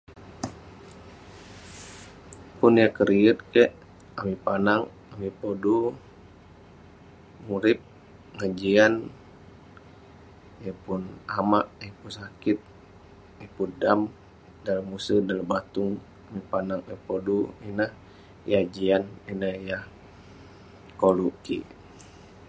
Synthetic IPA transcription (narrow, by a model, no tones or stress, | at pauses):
punjakəɾiət̪̚kɛʔ | amipanaŋ | amipodu | muɾip̚ | ŋad͡ʒian | japunamaʔjəpunsakit̪̚ | ipudam | daləmusədaləbat̪uŋ | amipanaŋjapoduinəh | jad͡ʒianinəhjah | kolukḭ